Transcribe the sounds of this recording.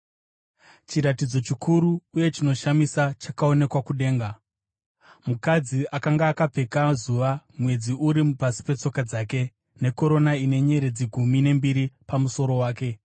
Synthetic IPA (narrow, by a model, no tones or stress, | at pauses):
t͡ʃiɾatid͡zo̞t͡ʃikʰuɾuːje̞t͡ʃino̞ʃamisat͡ʃakao̞ne̞kwakuɗe̞ːŋɡa | mukad͡ziakaŋɡaːkap͡fe̞kazuʋamwe̞d͡ziuɾimupasi̥pe̞t͡so̞kad͡zaːke̞ | ne̞ko̞ɾo̞naine̞ɲe̞ɾe̞d͡ziɡʱumine̞mbiɾipamuso̞ɾo̞waːke̞